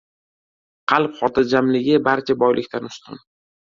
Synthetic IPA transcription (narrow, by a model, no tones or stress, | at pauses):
qʰɑlˠpχɒt̪ʰad͡ʒamlɪɡʲɪbaɾt͡ʃʰabɒjlɪkʲt̪ʰanʊst̪ʰɪn